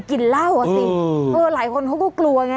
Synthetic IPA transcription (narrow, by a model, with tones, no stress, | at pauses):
ki˨˩n̚la˥˩wʔa˨˧˩si˧ʔɤː˧laː˩˦jkʰo˧nkʰa˥˩kɔː˥˩klu˧ɐŋa˧